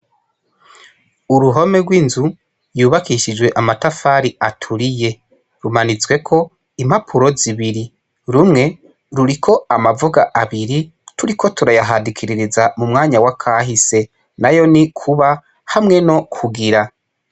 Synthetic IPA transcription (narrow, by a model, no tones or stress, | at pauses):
uɾuɦo̞me̞ɡwiːnzu | juːβakiʃid͡ʒwe̞ʔamatafaɾiatʰuɾije̞ | ɾumanit͡swe̞kʰo̞ | im̥hapʰuɾo̞ziβiɾi | ɾumŋe̞ | ɾuɾikʰo̞amavuɡaʔaβiɾi | tuɾikʰo̞tuɾajaɦadikʰiɾiɾizamumŋaːɲawakʰaɦise̞ | najo̞nikʰuβa | hamŋe̞no̞kʰuɡiɾa